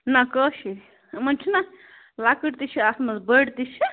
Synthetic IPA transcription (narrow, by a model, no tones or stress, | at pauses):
nakəʃʰi | mɐnt͡ʃʰina | lakəʈt̪it͡ʃʰiasmɐzbəɽt̪it͡ʃʰi